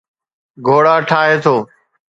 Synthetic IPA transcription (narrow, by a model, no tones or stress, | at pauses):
ɡʱoːɽaːʈʰaːɦeːt̪ʰoː